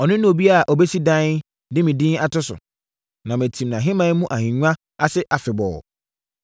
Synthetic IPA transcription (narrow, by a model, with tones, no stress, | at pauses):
ɔ˨nɪ̃˦nũ˦o˨bi˦a˨ʔɔ˨be˦si˦dã˦n | dɪ˦mĩ˨dĩ˦n˦a˨tʰʊ˦sʊ̰˨ | nã˨mæ̃˨tʰĩ˨mnã˨ɦɪ̃˦mã˦n˦mũ˦ʔa˨hĩ˨ɲᶣu˦ã˦ | a˨sɪ˦ʔa˨fɪ˨bɔ̰˨